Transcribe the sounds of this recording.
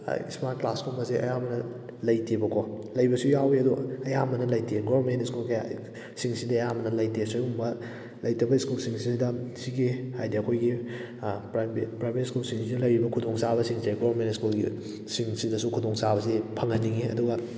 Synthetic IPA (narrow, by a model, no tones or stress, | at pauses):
ḭsmaɾt̚klaskʰuɾmbɐseɐ̰jamɐnɐ | lɐjtʰibɐkʰolɐjbɐsujaweɐduɐjamɐnɐlɐjtʰeɡoɐɾmentskulkia̰ | siŋsidɐɐjamɐnɐlɐjtesojumbɐ | lɐjtɐbɐiskulsiŋsisidɐsiɡihajdiɐkʰojɡi | pɾbpɾajbetskulsiŋsidɐlɐjɾibɐkʰudoŋsabɐsiŋseɡoβɐɾmentskulɡḭ | siŋsidɐsukʰudoŋsaβɐsipʰɐŋɐniŋiɐ̰duɡɐ